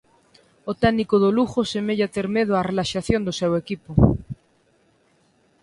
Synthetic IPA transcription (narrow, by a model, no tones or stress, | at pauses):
ot̪ɛnikoðoluxosemeʎat̪eɾmeðoarelaʃaθjond̪osɛwekipo